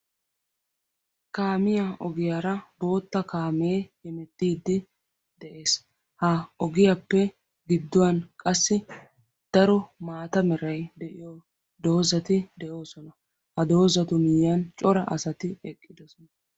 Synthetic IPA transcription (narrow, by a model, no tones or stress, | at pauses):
kaːmɪjaʔɔɡɪjaːɾɐbo̞ːt̪ːɐkaːmeːhɛmɛt̪ːiːd̪ːɪ | d̪̥ɛʔe̞ːs | hɐɔɡɪjapːɛ | ɡɪd̪ːʊwɐnkʼɐsːɪ | d̪̥ɐɾɔmaːt̪ɐmɛɾɐjd̪ɛʔɪjo | d̪o̞ːzɐt̪ɪd̪ɛʔoːsɔnɐ | hɐd̪o̞ːzɐt̪ʊmɪjːɐnt͡ʃʼɔɾɐʔɐ̰sɐt̪ɪɛkʼːɪd̪ɔsɔnɐ